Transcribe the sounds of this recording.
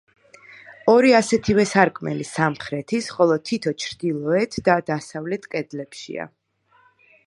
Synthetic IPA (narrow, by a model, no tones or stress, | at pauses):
ɔɾiasɛt̪ʰivɛsaɾkʼmɛ̰lisamχɾɛt̪ʰisχɔlˠɔt̪ʰit̪ʰɔt͡ʃʰɾd̪ilˠɔɛt̪ʰd̪ad̪asavlɛt̪ʰkʼɛd̪lɛpʃḭa̰